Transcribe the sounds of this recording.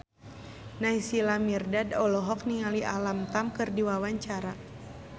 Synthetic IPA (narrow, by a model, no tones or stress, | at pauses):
naisilamirdadɔlɔɦɔk̚niŋaliʔalamt̪amkɨrdiwawaɲt͡ʃaɾa